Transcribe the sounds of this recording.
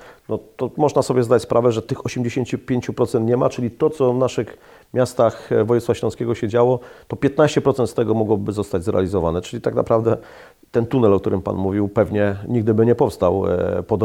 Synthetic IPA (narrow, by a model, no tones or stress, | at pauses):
nɔt̪ɔmɔʐnasɔbʲjɛzd̪at͡ɕʲspɾʔavɛʐɛt̪ɘxɔɕɛmd͡ʑeɕeɲt͡ɕupʲjeɲt͡ɕupɾɔt̪sɛnt̪ɲɛmat͡ʂɘlʲit̪ɔt̪sɔvnaʂɘx | mʲjast̪axvɔjut̪sfaɕlɔ̃skʲeɛɡɔɕɛd͡ʑawɔt̪ɔpʲjɛt̪naɕt͡ɕɛpɾɔt̪sɛnt̪st̪ɛɡɔmɔɡwɔbɘzɔst̪ad͡ʑʲzɾɛ̰a̰lʲizɔvanɛt͡ʂɘlʲit̪aɡna̰pɾavd̪ɛ | t̪ɛnt̪unɛlɔkt̪uɾɘmpa̰nmuvʲiwpɛvɲɛɲiɡ̚d̪ɘbɘɲɛpɔfst̪awpɔd̪